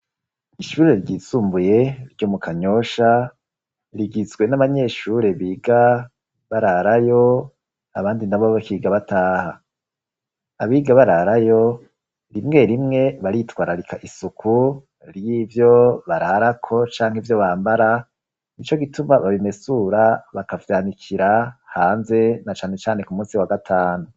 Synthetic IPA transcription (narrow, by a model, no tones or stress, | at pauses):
iʃuːɾe̞ɾɟiːsuːmbuje̞ɾɟo̞mukʰaɲo̞ʃa | ɾiɡizɡwe̞naβaɲe̞ːʃuɾe̞βiːɡa | βaɾaɾajo | aβaːndinaβoβakiːɡaβataːha | aβiːɡaβaɾaɾajo | ɾimŋe̞ɾimŋe̞βaɾitwaːɾaɾikaʔisukʰu | ɾjiːvjo̞βaɾaɾakʰo̞t͡ʃaːŋhivjo̞βaːmbaɾa | nit͡ʃo̞ɡitumaβaβime̞suɾaβakavjaːnikʰiɾahaːnze̞nat͡ʃaːne̞t͡ʃaːne̞kumuːsiwaɡatʰaːnu